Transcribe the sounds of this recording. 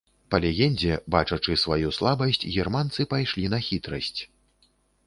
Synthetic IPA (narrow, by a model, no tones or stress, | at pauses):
pɐlʲɛɣʲɛnʲd͡zʲɛbat͡ʂɐt͡ʂɨsvajuslˠabɐsʲt͡sʲɣʲɛrmant̪sɨpajʂlʲinɐxʲit̪ɾɐsʲt͡sʲ